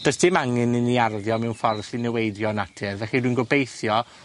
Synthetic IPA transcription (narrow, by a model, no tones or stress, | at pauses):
d̥ɔsd̥ɪmaŋɨnɨniarðjɔmɛwnfɔrsinɛwejdjɔnatʰɪrvɛχidwinɡɔbejθjɔ